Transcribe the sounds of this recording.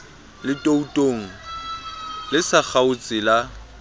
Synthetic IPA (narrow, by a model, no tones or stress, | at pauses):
lɪtʼoutʼoːŋ̩ | lɪsak͡xʰaʊt͡sʼɪla